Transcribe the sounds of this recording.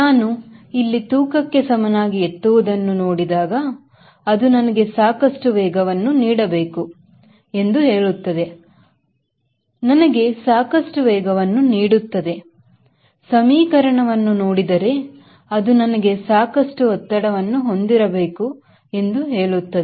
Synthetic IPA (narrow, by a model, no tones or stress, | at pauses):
naːnuilːit̪uːkɐkːe̞sɐmɐnaːɡiet̪ːuʋud̪ɐnːuno̞ːɽid̪aːɡɐ | ɐd̪unɐnɐɡe̞saːkɐʂʈuʋɛːɡɐʋɐnːuniːɽɐbe̞ːku | e̞nd̪uɦe̞ːɭut̪ːɐd̪e̞ | nɐnɐɡe̞saːkɐʂʈuʋɛːɡɐʋɐnːuniːɽut̪ːɐd̪e̞ | sɐmiːkɐɾɐɳɐʋɐnːunoːɽid̪ɐɾe̞ | ɐd̪unɐnɐɡe̞saːkɐʂʈuɦɔt̪ːɐɽɐʋɐnːuɦo̞nd̪iɾɐbe̞ːku | e̞nd̪uɦe̞ːɭut̪ːɐd̪e